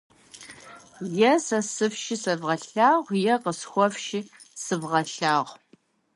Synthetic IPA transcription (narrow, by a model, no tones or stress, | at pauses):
jɛsɐsɨfʃisɐvʁɐɬaːʁʷjɛqəsxʷɔfʃi | sɨvʁɐɬaːʁʷ